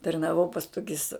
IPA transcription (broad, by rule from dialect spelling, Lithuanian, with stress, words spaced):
tɐrnɐˈʋɐʊ pɐs ˈtoːkʲɪs